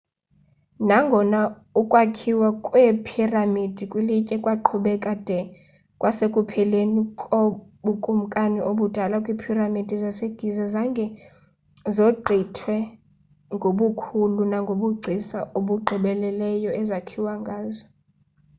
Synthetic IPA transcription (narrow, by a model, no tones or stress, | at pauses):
naŋɡʱɔna | ukʼwakʰiwakʼwepʰiramid̥ʱikʼwilicʼɛkʼwaǃʰuɓɛkʼad̥ʱɛ | kʼwʔasekʼupʰɛlenikʼoɓukʼum̩kʼaniʔoɓud̥ʱalakʼwipʰiramid̥ʱizaseɡ̥ʱizazaŋɡʱɛ | zoǃʱitʰwɛ | ŋɡʱoɓukʰulunaŋɡʱoɓuɡ͡ǀʱisaoɓuɡ͡ǃʱiɓɛlɛlɛjɔʔɛzakʰiwaŋɡʱaːzɔ